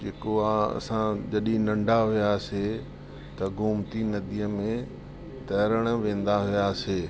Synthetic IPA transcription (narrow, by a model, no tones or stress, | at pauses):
d͡ʒeːkoaɐ̰sãd͡ʑɐɗinɐ̃ɳɖʱaɦʊjase | t̪ɐɡʱʊmt̪inɐd̪ijəmẽ | t̪ɐːɾəɽ̃ʋẽːn̆d̪aɦʊjaːseː